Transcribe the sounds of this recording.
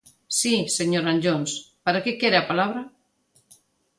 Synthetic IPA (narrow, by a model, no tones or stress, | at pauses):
siseɲoɾaɲd͡ʒonspaɾakekeɾeapalaβ̞ɾa